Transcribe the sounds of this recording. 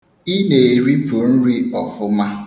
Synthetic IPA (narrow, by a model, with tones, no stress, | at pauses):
i˦ne˨ɾi˦pʰu˨n̩˦ɾi˦ɔ˨fʊ˦ma˦